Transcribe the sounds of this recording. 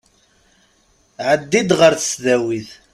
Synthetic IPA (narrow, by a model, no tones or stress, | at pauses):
ʕəd̪ːid̪ʁəɾθə̥sðæwiθ